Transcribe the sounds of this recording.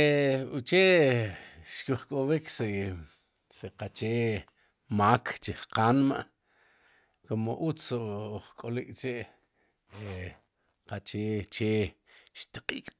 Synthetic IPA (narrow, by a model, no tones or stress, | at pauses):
eut͡ʃeʔ | ʃkiχkʼowikse | seqat͡ʃeː | maːkʰt͡ʃiχqanmaʔ | komoʔut͡sːoχkʼolikʼt͡ʃeʔ | e | qat͡ʃeːt͡ʃeː | ʃt̪aqʼiːkʼ